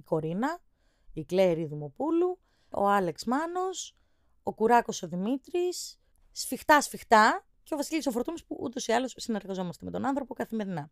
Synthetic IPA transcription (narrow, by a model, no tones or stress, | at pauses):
iko̞ɾinɐ | ikle̞ɾiðimo̞pulu | o̞̰ɐle̞ksmɐno̞s | okuɾɐko̞so̞ðimit̪ɾisː | fixt̪ɐsfixt̪ɐ | ce̞ovɐsilisofoɾt̪umospuʔṵt̪o̞siɐlosːine̞ɾɣɐzo̞mɐst̪eme̞t̪o̞nɐnθɾo̞po̞kɐθime̞ɾinɐ